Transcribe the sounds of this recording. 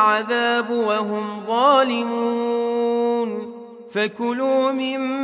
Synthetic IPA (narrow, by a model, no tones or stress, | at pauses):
ʕaðaːbwaɦʊmðˤɑːlɪmuː | n | fakʊluːmɪmː